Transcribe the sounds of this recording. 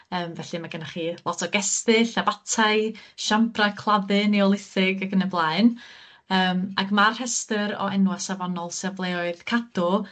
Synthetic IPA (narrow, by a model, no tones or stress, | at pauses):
əːmvɛɬɨmaɡənaχiːlˠɔtʰɔɡɛstɨɬabatʰaɨʃampʰrakʰl̥ˠaðɨniɔlˠɪθɪɡaɡənəblˠaɨn | əːmaɡmarhɛstəɾɔ̰ɛnwasavɔnɔlˠsɛvlˠeɔɨðkʰad̥ʊ